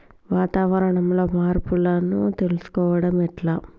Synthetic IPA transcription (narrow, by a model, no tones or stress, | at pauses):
ʋaːt̪aːʋɐɾɐɳɐmlo̞ːmaːɾpulɐnut̪e̞lusu̥kɔːʋɐɽɐmiʈlaː